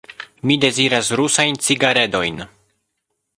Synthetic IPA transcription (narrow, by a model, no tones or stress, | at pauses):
mide̞ziɾasɾusajnt͡siɡaɾe̞do̞jn